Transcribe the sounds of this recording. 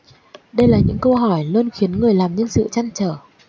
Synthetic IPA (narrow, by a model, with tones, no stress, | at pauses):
ɗə˧jlaː˨˩ɲɨ̰˧˥ŋkə˧wɦɔ˧˩jləː˧nxi˨˦ənŋɨ˨˩əjlaː˨˩mɲə˧nsɨ̰˧˨t͡ɕa˧jŋt͡ɕəː˧˩